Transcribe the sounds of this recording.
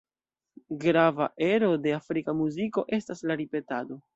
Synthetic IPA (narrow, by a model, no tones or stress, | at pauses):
ɡɾavaʔe̞ɾo̞de̞afɾikamuziko̞ʔe̞staslaɾipe̞tado̞